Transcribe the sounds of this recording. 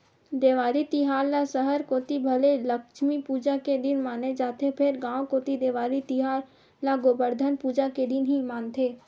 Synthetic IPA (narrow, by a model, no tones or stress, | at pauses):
d̪eːʋaːɾit̪ɪɦaːɾlasəɦəɾkoːt̪ibʱəleləkʃmipuːd͡ʒaked̪ɪnmaːned͡ʒaːt̪ʰepʰɪɾɡãːwkoːt̪id̪eːʋaːɾit̪ɪɦaːɾ | laɡoːbəɾd̪ʱənpuːd͡ʒaked̪ɪnɦimaːnt̪ʰeː